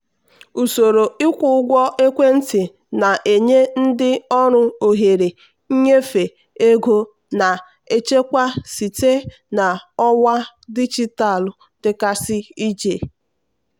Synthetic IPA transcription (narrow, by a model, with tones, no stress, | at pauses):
u˨so˨ɾo˨ɪ˦kʷu˦˨ʊ˦ɡʷɔ˦ʔe˦kʷe˦n̩˦tɪ˨ | na˨ʔe˨ɲe˦n̩˦dɪ˦ɔ˦ɾʊ˦o˨ɦe˨ɾe˨˦ | ɲe˦fe˨ | e˦ɡo˦ | na˨ | e˦t͡ʃe˦kʷa˦si˨te˦ | na˨ɔ˦wa˦ | di˦d͡ʒi˦ta˨l | d̥ɪ˨ka˦sɪ˦i˦d͡ʒe˨